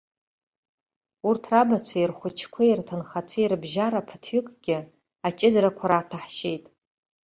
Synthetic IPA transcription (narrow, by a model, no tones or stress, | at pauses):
urtʰrabat͡ɕʷʰairχʷʊt͡ʃʰkʷʰairtʰɨnχat͡sʷʰairbʒaɾapʰɨ̥tʰɥʏkʼɡ̥ʲɪ | at͡ʃʼɪzɾakʷʰaɾaːtʰaħʃejtʼ